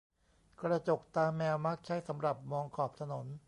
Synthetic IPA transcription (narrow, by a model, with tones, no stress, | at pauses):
kɾa˧t͡ɕo˨˩k̚t̪aː˧mːɛː˧wma˦˥k̚t͡ɕʰa˦˥˩jsa˩˦mɾa˨˩p̚mɔː˧ŋkʰɔː˨˩p̚t̪ʰa˧no˩˦n